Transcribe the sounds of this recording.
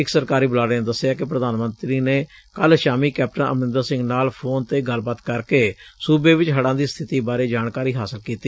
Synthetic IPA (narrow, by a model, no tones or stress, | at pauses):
ɪksəɾkaːɾiːbəlaːɾãnd̪əsːɪjaːkɪpɾəd̪aːnmə̃nt̪ɾiːneː | kəlʃaːmiːkɛːp̚ʈənə̰mɪ̃nd̪asɪ̃ŋɡnaːlpʰoːnt̪eːɡəlbət̪kəɾkeːsuːbeːʋɪt͡ʃɦəɽãːd̪iːst̪ʰɪt̪iːbaːɾeːd͡ʒaːnkaːɾiːɦaːsəlkiːt̪iː